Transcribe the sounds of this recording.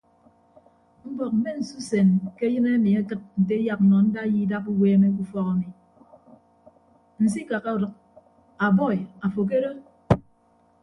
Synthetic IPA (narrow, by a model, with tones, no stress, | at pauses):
m̩˦bɔ˨k̚m̩˨me˦n̩˨su˦se˨nke˦jɨ˦na˦mi˨a˦kɨ˦t̚n̩˨t̬e˦ja˨k̩̚˨nɔ˨n̩˦da˦ji˦da˦pu˦weː˦me˦k̬u˦fɔ˦ka˨mi˨ | n̩˨s̬i˦ka˨ka˦u˨ɾɨ˨k̚ | a˨bɔ˦˨ja˨fo˨k̬e˦ɾo˦